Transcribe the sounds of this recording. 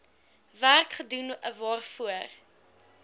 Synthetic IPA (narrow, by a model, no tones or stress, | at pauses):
værkχədunəvɑːrfuər